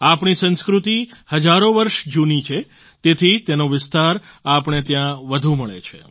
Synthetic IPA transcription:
apɳisə̃nskɾut̪ihəd͡ʒaɾoʋəɾʃd͡ʒunit͡ʃʰe | t̪et̪ʰit̪enoʋɪst̪aɾ | apɳ̃et̪jãʋəd̪ʱũməɭḛt͡ʃʰe

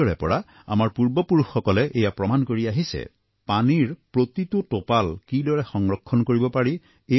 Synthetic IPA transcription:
ɔɹɛ̰pɔɹa | a̰maɹpuɹbɔpuɹuxːɔkɔlɛʔejapɹɔmankoɹiaɦisɛ̰ | paniɹpɹot̪itʊtopalkidɔɹɛxɔŋɹɔkʰːɔnkoɹibɔpaɹi | e

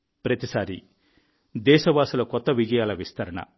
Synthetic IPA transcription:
pɾɐt̪isaːɾi | d̪ɛːʃɐʋaːsulɐkɔt̪ːɐʋid͡ʒɐjaːlɐʋist̪ʰɐɾɐɳɐ̰

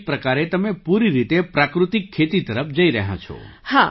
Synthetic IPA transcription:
pɾəkaɾet̪əmẽpuɾiɾit̪epɾakɾut̪ikʰːet̪it̪əɾəpʰd͡ʒəiɾəɦã̰t͡ʃʰɔ̰hã

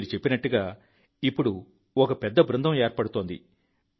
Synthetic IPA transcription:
ɾit͡ʃe̞pːinɐʈːuɡaː | ipːuɽu | ɔkɐpɛd̪ːɐbɾund̪ɐmeːɾpɐɽut̪oːnd̪ḭ

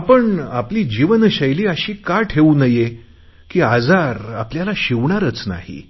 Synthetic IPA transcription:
apəɳapliːd͡ʑiʋənɕəjliːəɕiːkaʈʰeunəje | kiːad͡zaɾapljalaɕiʋɳaɾət͡sna̰ɦḭ

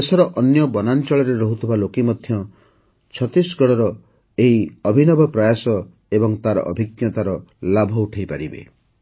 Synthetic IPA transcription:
esɔɾɔʔɔnjɔbɔnant͡ʃɔɭɔɾeɾɔɦut̪ʰibalokimɔd̪ʱjɔ | t͡ʃʰɔt̪isɡɔɽɔɾɔ | eɦiɔbʱinɔbʱɔpɾajasɔ | ebɔŋt̪aɾɔ̰ʔɔbʱikjɔt̪aɾɔlabʱɔuʈʰejpaɾibḛ

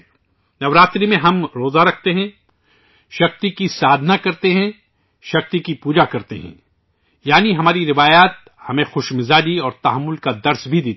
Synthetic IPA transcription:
nɐʋɾaːt̪ɾimẽɦɐmɾoːzaɾɐkʰt̪eɦɛ̃ | ʃɐxt̪ikisaːd̪ʱnakɐɾt̪eɦɛ̃ | ʃɐx̚t̪ikipuːd͡ʒakɐɾt̪ḛɦɛ̰̃ | jaːniɦɐmaːɾiɾɪʋaːjaːt̪̚ | hɐmẽxʊʃmɪzaːd͡ʒiɔːɾt̪ɐɦɐmːʊlkad̪ɐɾsbʱid̪eː

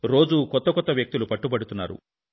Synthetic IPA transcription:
ɾo̞ːd͡ʒukɔt̪ːɐkɔt̪ːɐʋjɐk̚t̪ilupɐʈːubɐɽut̪unːa̰ːɾṵ

